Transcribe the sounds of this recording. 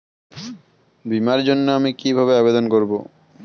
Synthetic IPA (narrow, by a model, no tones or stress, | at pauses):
bimaɾd͡ʑonːoamikibʱabeabed̪onkoɾbo